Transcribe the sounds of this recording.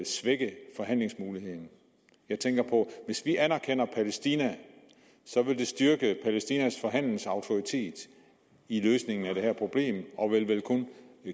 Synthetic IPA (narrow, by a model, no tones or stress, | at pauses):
lsʋeɡ̥əfɒ̽ɦæn̰le̝ŋsmuːlihe̝ð̰ˠn̩ | jɑ̈ɪt͡sʰeŋɡ̥ɐpʰɒ̽ʋe̝sʋiʔænæɐkʰen̰ɐpʰælesd̥iːnæ | sɒ̽ʋe̝ld̥e̝sd̥yɐɡ̥əpʰælesd̥iːnæsfɒ̽ɦæn̰ln̩sɑ̈ʊt͡sʰo̝ʁit͡sʰe̝̰ːd̥ | iløːsne̝ŋn̩æd̥e̝ɦæɐ̰pʰʁo̝b̥le̝̰ːmɒ̽ʋe̝lʋelkʰon